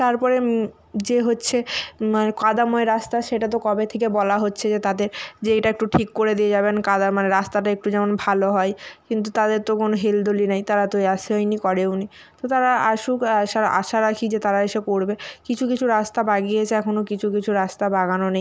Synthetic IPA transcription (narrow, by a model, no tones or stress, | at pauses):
t̪aɾpɔɾe | d͡ʑeɦotːɕʰemanekad̪amoeɾast̪aʃeʈat̪̬okɔbet̪ʰekebɔlaɦotːɕʰed͡ʑet̪ad̪eɾd͡ʑeejʈaek̚ʈuʈʰikːoɾed̪ied͡ʑabenkad̪aɾmaneɾast̪aʈaek̚ʈud͡ʑɛmonbʱaloɦɔekint̪̬ut̪ad̪eɾt̪okonoɦeld̪olinajt̪aɾat̪ojaʃɦɔjnikɔɾeuni | t̪ot̪aɾaaʃukaʃaɾaʔa̰ʃaɾakʰid͡ʑet̪aɾaeʃekoɾbekit͡ɕʰukit͡ɕʰuɾast̪abaɡiet͡ɕʰeɛkʰonokit͡ɕʰukit͡ɕʰuɾast̪abaɡanonej